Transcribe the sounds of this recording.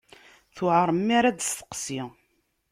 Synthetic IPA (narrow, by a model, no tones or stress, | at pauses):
θʊʕəɾˤəmːaɾad̪st̪ə̥qsi